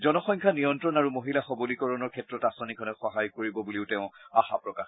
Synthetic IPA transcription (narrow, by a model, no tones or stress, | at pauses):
zɔnɔxɔjŋkʰanijɔntɹɔnaɹumoɦilaxɔbolikɔɹɔnɔɹkʰɛtɹɔtasɔnikʰɔnɔxɔɦajkoɹibɔbuliʊtɛʊ̃axa̰pɹɔkax